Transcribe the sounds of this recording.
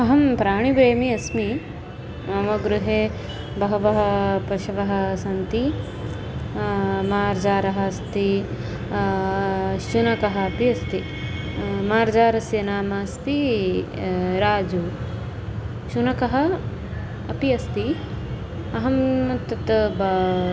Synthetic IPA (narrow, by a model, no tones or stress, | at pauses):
ɐɦɐmpɾaːɳ̃ibeːmiɐsmi | ɐmɐɡɾuɦeː | bɐɦɐʋɐɦɐpɐʃɐʋɐɦɐ̆sɐnt̪i | maːɾd͡ʒaːɾɐɦɐ̆st̪i | ʃunɐkɐɦɐɐpiɐst̪i | maːɾd͡ʒaːɾɐsjɐnaːmaːst̪i | ɾaːd͡ʒu | ʃunɐkɐɦɐ̆ː | piɐst̪i | ɐɦɐmɐt̪ɐt̪b